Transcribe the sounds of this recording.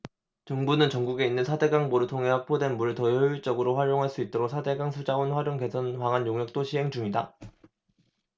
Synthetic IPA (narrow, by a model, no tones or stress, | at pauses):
t͡ɕʌŋbunɯnt͡ɕʌŋɡuɡe̞inːɯnsʰade̞ɡaŋboɾɯɭtʰoŋɦe̞hak̚p͈ʰodwe̞nmuɾɯɭtʌjʌjuɭt͡ɕ͈ʌɡɯɾoɸwaɾjoŋɦaɭs͈uit̚t͈oɾosʰade̞ɡaŋsʰud͡ʑaonɸwaɾjoŋke̞sʰʌnwaŋɦanjoŋjʌk̚t͈oɕʰiɦe̞ŋd͡ʑuŋida